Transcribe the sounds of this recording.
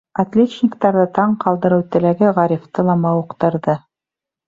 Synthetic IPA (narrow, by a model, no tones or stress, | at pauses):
at̪lʲetnʲɪkt̪ɑɾðɤt̪ɑɴqɑlˠd̪ɤ̆ɾɤwt̪ɘ̆læɡɘʁɑɾʲift̪ɤlˠɑmɑuqt̪ɤ̆ɾðɤ